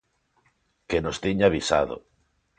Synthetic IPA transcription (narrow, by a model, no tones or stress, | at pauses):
kenost̪iɲaβisa̰ðo̰